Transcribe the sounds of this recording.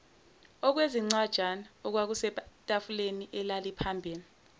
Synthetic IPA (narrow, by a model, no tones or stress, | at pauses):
ɔk̬weziŋ͡ǀad̥ʒ̥ʱanaɔk̬wak̬usɛtʼafuleniʔɛlalipʰambʱiːli